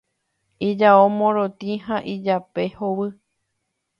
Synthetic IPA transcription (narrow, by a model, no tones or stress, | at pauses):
id͡ʒaomõɾot̪ĩɦãʔid͡ʒape̞howɨ